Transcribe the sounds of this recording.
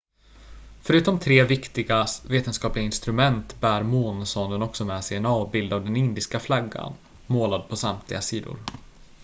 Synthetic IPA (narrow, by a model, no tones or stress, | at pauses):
fœɾʉ̟ːt̪ɔmt̪ʰɾeːvɪkt̪ɪɡasveːt̪ənskɑːplɪɡaɪnst̪ɾɵmɛnt̪bæːɾmoːnsɔnd̪ənɔksɔmɛːsɛjɛnɑːvbɪld̪avd̪ɛnɪnd̪ɪskaflaɡːa̰n | moːlad̪̚pʰɔsamt̪ʰlɪɡasiːd̪ʊ̰ɾ